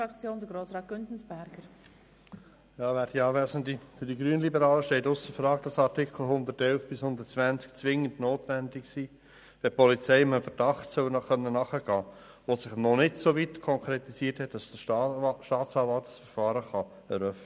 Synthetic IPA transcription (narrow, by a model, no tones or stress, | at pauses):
ɑkt͡sjoːndəɡɾoːsɾɑːt̚ɡ̥ʏntn̩sb̥æɾɡ̥əɾ | jɑːvæːɾd̥iɑːvæːsən̩difyd̥iɡɾyənəlibəɾɑːləʃtɛɪtʊsəfɾɑːɡd̥ɑsɑtɪkʰl̩ɦʊnd̪ərtɛlfb̥ɪshʊnd̪ətt͡svænt͡sk̚t͡sʋɪŋəndnoːtʋændɪksiː | ʋɛpɔlit͡sɛɪɪməfəɾd̥ɑχtsœlnɑχœnːənɑχəɡ̥ɑː | ʋosɪχnɔnɪtsoʋitkʰɔŋkʰɾetisiːthɛtd̥ɑsd̥əʃtɑːt͡sɑːvɑltsfəɾfɑːɾəχɑ | ɛɾœfnə